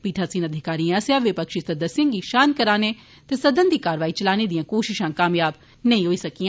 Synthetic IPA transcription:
piːʈʰaːsĩːnəd̪ʱɪkaːɾĩəsjaːʋɪpəkʃisɐd̪əsɪ̃ŋɡiːʃaːnkəɾaːne | t̪esəd̪ənd̪iːkaːɾʋaːiːt͡ʃəlaːned̪ijãːkoːʃɪʃãːkaːmjaːb | nɐ̃ĩɦoːisəkiːãː

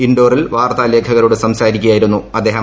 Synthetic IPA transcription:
iɳɖo̞ːrilʋaːrt̪aːle̞ːkʰɐɣɐɾuɽesɐmsaːɾikʲːujaːjiɾunːuɐd̪ːe̞ːɦɐ

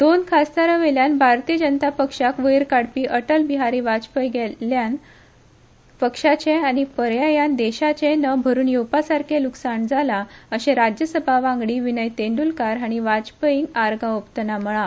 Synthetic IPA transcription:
d̪onkʰast̪aɾəʋeljanbʱaɾt̪id͡ʑənət̪apəkʂakʋəjɾkaɽpiːʔəʈəlbiɦaɾiʋat͡spəjɡelan | pəkʂat͡ɕeañipəɾjajand̪eɕat͡ɕẽnəbʱəɾuːnjowpasaɾkʰeluksaɳd͡zʱalaəɕẽɾad͡ʑjəsəbʱaʋãŋɡɽiːʋinəjt̪eɳɖulkaɾaɽ̃iʋat͡spəjiŋɡaɾɡãopt̪ənam̤əɭa

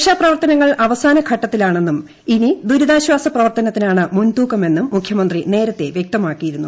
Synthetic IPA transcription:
ʂaːprɐʋɐrt̪ɐnɐŋːɐɭʔɐʋɐsaːnɐkʰɐʈːɐt̪ːilaːɳe̞nːum | inid̪uɾuðaːɕwaːsɐprɐʋɐrt̪ɐnɐt̪ːinaːɳɨmunt̪uːkːɐme̞nːumːukʰjɐmɐnd̪rine̞ːɾɐt̪ːe̞ʋjek̚t̪ɐmaːkːijiɾunːu

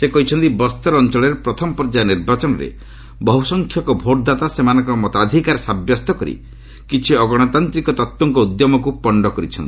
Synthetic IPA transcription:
sekɔɦit͡ʃʰɔnt̪ibɔst̪ɔɾɔnt͡ʃɔɭeɾepɾɔt̪ʰɔmɔpɔɾd͡ʒaniɾbat͡ʃɔnɔɾḛ | bɔɦusɔŋkʰjɔkɔbʱoʈd̪at̪asemanɔŋkɔmɔt̪ad̪ʱikaɾsabjɔst̪ɔkɔɾḭ | kit͡ʃʰiɔɡɔɽ̃ɔt̪ant̪ɾikɔt̪ɔt̪wɔŋkɔud̪jɔmɔk̬upɔɳɖɔkɔɾit͡ʃʰɔ̰nt̪i

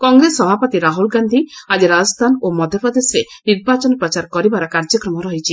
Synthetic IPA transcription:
kɔŋɡɾesɔbʱapɔt̪iɾaɦulɡand̪ʱiad͡ʒiɾad͡ʒɔst̪ʰanomɔd̪ʱjɔpɾɔd̪esɾeniɾbat͡ʃɔnɔpɾɔt͡ʃaɾkɔɾibaɾɔkaɾd͡ʒɔkɾɔmɔɾɔɦit͡ʃʰi

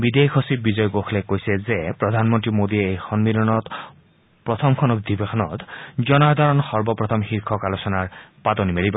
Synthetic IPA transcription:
bid̪ekʰosibizɔjɔɡoxʰlekojsɛzepɹɔd̪ʱanmɔnt̪ɹimod̪ieːjxɔnmilɔnɔt̪ | pɹɔt̪ʰɔmkʰɔnɔb̚d̪ʱibekʰɔnɔt̪d͡ʒɔnad̪ʱɔɹɔnxɔɹbɔpɹɔt̪ʰɔmxiɾkʰɔkalosɔnaɹpat̪ɔnimeliba

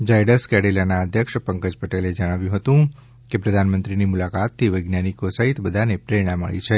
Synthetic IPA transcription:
d͡ʒajɖəskɛɽelanaəd̪ʱjəkʃpəŋkəd͡ʒpəʈeled͡ʒəɽ̃aʋjũɦət̪ũ | kepɾəd̪ʱanmənt̪ɾinimulakat̪ʰːiʋəjɡnanikosəɦit̪bəd̪ʱanepɾeɽ̃ãmə̰ɭḭt͡ʃʰe

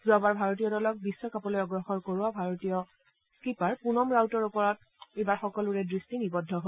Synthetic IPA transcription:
zɔbaɹbʱaɹot̬ijɔdɔlɔk̚bisːɔkapɔlojɔɡɹɔxɔɹkoɹʊwabʱaɹotijɔ | skipaɹpunɔmɹawtɔɹupɔɹɔt̚ | ejbaɹxɔkɔlʊɹɛdɹistinibɔdʱːɔɦo

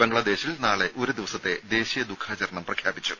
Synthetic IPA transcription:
beŋɡɭɐd̪e̞ːɕilnaːɭe̞ʔo̞ɾud̪iʋɐsɐt̪ːe̞d̪e̞ːɕijɐd̪ukʰaːt͡ɕɐɾɐɳɐmprɐkʰjaːbit͡ɕːu

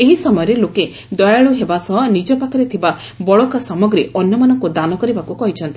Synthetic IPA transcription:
eɦisɔmɔjɔɾeloke | d̪ɔjaɭuɦebasɔɦɔnid͡ʒɔpakʰɔɾet̪ʰiba | bɔɭɔkasamɔɡɾiɔnjɔmanɔŋkud̪anɔkɔɾibakukɔɦit͡ʃʰɔnt̪i

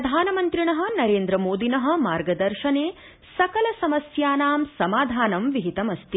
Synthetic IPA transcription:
ɐd̪ʱaːnɐmɐnt̪ɾiɳɐɦɐ̆nɐɾeːnd̪ɾɐmoːd̪inɐɦɐ̆maːɾɡɐd̪ɐɾʃɐneː | sɐkɐlɐsɐmɐsjaːnaːmsɐmaːd̪ʱaːnɐmʋiɦit̪ɐmɐst̪i

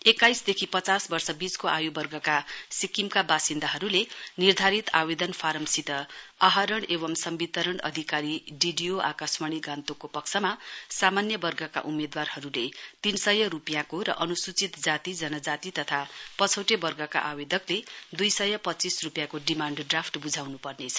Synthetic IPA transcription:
ekːajsd̪ekʰipʌt͡sasbʌrsʌbit͡skoʔajubʌrɡʌkasikimkabasind̪aɦʌɾulenird̪ʱaɾit̪abed̪ʌnpʰaɾʌmsit̪ʌaɦʌɾʌɳeβʌmsʌmbit̪ʌɾʌɳʌ̰d̪ʱikaɾiɖiɖijoʔa̰kasmaɽ̃iɡant̪okopʌksʰʌmasamanjʌbʌrɡʌka̰ʔumed̪warhʌɾulet̪insʌjʌɾupjakoɾʌ̰ʔʌnusut͡sit̪d͡zat̪id͡zʌnʌd͡zat̪it̪ʌt̪ʰapʌt͡sʰʌwʈebʌrɡʌka̰ʔabed̪ʌkled̪ujsʌjʌpʌtːt͡sisrupjakoɖimaɳɖɖrapʰʈbud͡zʱawnupʌrnet͡sʰʌ̥

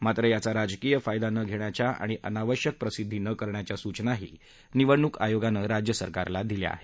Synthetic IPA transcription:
mat̪ɾəjat͡saɾad͡zkijəfajd̪anəɡʱeɳjat͡ɕjaa̰ɽ̃iʔənaʋəɕjək̚pɾəsid̪ʱːiːnəkəɾɳjat͡ɕjasut͡ɕnaɦḭː | niʋəɳːuka̰joɡanəɾad͡ʑjəsəɾkaɾlad̪ilja̰a̰ɦe̥

